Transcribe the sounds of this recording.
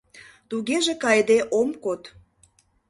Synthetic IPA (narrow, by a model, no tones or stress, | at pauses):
t̪uɣeʒekɑjd̪eʔomkot̪